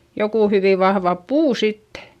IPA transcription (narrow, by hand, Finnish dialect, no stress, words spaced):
jokuˑ hyʋiˑ ʋɑhʋɑ puː sitːe̥